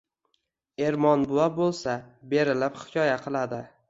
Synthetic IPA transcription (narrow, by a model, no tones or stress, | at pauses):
e̞ɾmɒnbʊwabolˠsabe̞ɾɪlɪphɪ̥kʲʰɒjaqʰɨlˠad̪ɪ